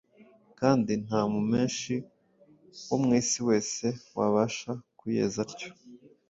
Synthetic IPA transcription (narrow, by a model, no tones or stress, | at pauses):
kaːndin̥haːmume̞ːnʃi | womŋiːsiwe̞ːse̞waβaʃakuje̞̰ːzaɾco̥